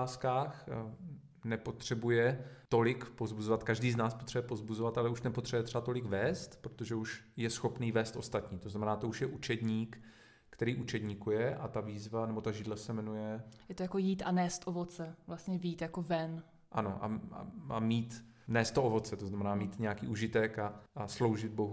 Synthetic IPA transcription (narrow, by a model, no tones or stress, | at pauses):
aːskaːx | nɛpo̞t̪r̝̥ɛbujɛt̪o̞lɪkpozbuzovat̪kaʒdiːznaːspot̪r̥ɛbujɛpo̞zbuzovat̪alɛuʃnɛpot̪r̝̥ɛbujɛt̪rɛat̪o̞lɪɡvɛːst̪pɾot̪o̞ʒɛuʃjɛsxo̞pniːvɛːst̪ʔo̞st̪at̪ɲiːt̪oznamɛnaːt̪o̞uʃjɛʔut͡ʃɛd̪ɲiːk | kt̪ɛɾiːʔut͡ʃɛd̪ɲiːkujɛʔat̪aviːzvanɛbo̞t̪aʒɪdlasɛmɛnujɛjɛt̪ojakojiːt̪ʔanɛːst̪ʔovot͡sɛvlast̪ɲɛvjiːt̪jakovɛn | ʔano̞̰ʔa̰a̰a̰miːt̪ | nɛːst̪ːoovo̞t͡sɛt̪oznamɛnaːmiːt̪ɲɛjakḭːʔuʒɪt̪ɛkaʔaslo̞wʒɪd̪̚bo̞ɦu